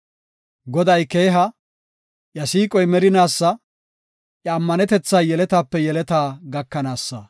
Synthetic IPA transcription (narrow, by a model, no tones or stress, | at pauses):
ɡɔd̪ɐjke̞ːɦɐ | ʔjɐsiːkʼɔjmɛɾɪnaːsːɐ | ʔɐɐmːɐnɛt̪ɛt͡sːaːjɛlɛt̪aːpːɛjɛlɛt̪aːɡɐkːɐnaːsːɐ